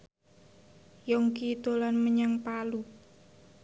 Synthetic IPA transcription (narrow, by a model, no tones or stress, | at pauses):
jɔŋkit̪olanməɲaŋpalu